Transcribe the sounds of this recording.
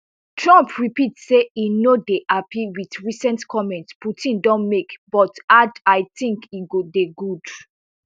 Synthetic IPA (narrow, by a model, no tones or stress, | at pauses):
tʰɹãmpʰɹipitseinodeʔapʰiwiθɹisɛ̃ntkʰɔmɛ̃ntsputʰĩndɔ̃nmekb̥ɔtadaɪθĩŋkiɡudeɡud